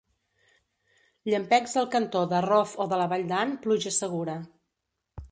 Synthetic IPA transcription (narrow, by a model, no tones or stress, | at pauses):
ʎəmpɛkzðəlˠkənt̪oðərɔfoðələβaʎʲd̪anpluʒəsəɣ̞uɾə